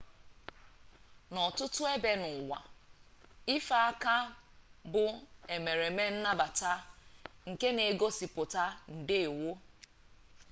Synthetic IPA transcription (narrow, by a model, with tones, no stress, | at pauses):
nɔ˨tʊ˦tʊ˦e˦be˦nʊ˨wʷa̰˨ | i˦fa˨a˦ka˦ | bʊ˨e˨me˨ɾe˨me˦n̩˦na˦ba˨ta˦ŋ̩˨ke˦ne˨˦ɡo˦si˨pʊ˨ta˦n̩˨dɪ˦˨wʊ˦